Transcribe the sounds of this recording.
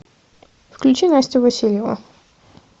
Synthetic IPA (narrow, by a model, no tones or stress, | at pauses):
fklʲʉt͡ɕinasʲtʲɪvɐsʲilʲjɪvə̰